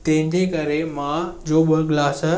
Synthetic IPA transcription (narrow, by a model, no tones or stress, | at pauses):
t̪ɐ̃ɦɪ̃ɲd͡ʑekɐɾemãd͡ʑoːɓəɡlaːsə